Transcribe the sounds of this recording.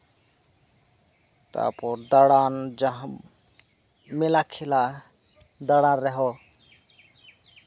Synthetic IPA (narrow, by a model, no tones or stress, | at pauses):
t̪a̰pɔɾd̪əɽand͡ʒaɦ | melakʰila | d̪əɽanɾɛɦo